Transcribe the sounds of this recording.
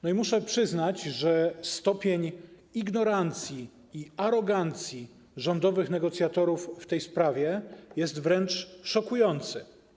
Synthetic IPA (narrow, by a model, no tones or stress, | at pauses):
nɔimuʂɛpʂɘznat͡ɕʐɛst̪ɔpʲjeɲ | iɡnɔɾant̪sʲji | iaɾɔɡant̪sʲji | ʐɔnd̪ɔvɘxnɛɡɔt̪sʲjat̪ɔɾufːt̪ɛjspɾavʲjɛjɛst̪vɾɛnt͡ʂʂɔkujɔnt̪sɘ̰